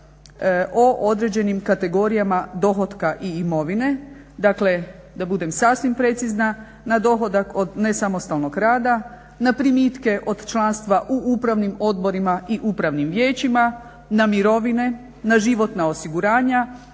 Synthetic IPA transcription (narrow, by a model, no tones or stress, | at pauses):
oʔo̞d̪ɾe̞d͡ʑe̞nimkat̪e̞ɡo̞ɾijamad̪o̞xo̞t̪kaʔiːmo̞ʋine̞ | d̪akle̞ | d̪abud̪e̞msasʋimpɾe̞t̪sizna | nad̪o̞xo̞d̪ako̞d̪ne̞samo̞st̪alˠnoɡɾaːd̪a | napɾimit̪ke̞ʔo̞d̪t͡ʃlˠanst̪ʋaʔuʔupɾaʋnimo̞d̪bo̞ɾimaʔiʔupɾaʋnimʋjeːt͡ɕima | namiɾo̞ʋine̞ | naʒiʋo̞t̪naosiɡuɾaːɲa